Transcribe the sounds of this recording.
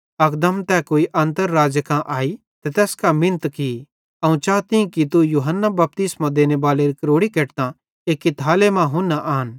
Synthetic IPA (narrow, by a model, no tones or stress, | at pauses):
ɐkd̪əmt̪ɛkoːiʔɐ̃nt̪əɾːaːd͡ʒəkãʔaːi | t̪ɛt̪ɛːskamɪ̃nət̪ki | ɐũt͡ʃaːt̪ĩkit̪ujuɦənːabɐp̚t̪ɪsmãd̪eːnebaːleɾikɐɾoːɽikeːʈt̪ã | eːkːit̪ʰaːlemãɦʊ̃nːaʔaːn